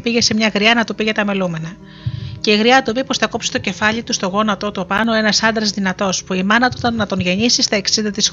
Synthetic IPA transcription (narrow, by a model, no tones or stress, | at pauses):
piʝe̞se̞mɲɐɣɾiɐnɐt̪upiʝe̞t̪ɐme̞lume̞nɐ | ce̞iɣɾiɐt̪upipo̞sθɐko̞psi̥t̪o̞ce̞fɐʎit̪ust̪o̞ɣo̞nɐt̪o̞t̪upɐno̞e̞nɐsɐnd̪ɾɐzðinɐt̪o̞spuimɐnɐt̪ut̪ɐːɐt̪o̞nʝe̞ɲisist̪ɐe̞ksind̪ɐt̪is